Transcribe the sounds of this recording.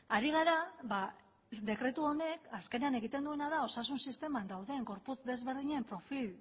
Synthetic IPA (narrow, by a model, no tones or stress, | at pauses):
aɾiɣ̞aɾaβa | d̪e̞kɾe̞t̪uo̞ne̞kaske̞ne̞ane̞ɣ̞it̪e̞nd̪ue̞naðao̞sasunsist̪e̞mand̪awðe̞ŋɡo̞ɾput͡sd̪e̞zβe̞ɾð̞iɲempɾo̞fil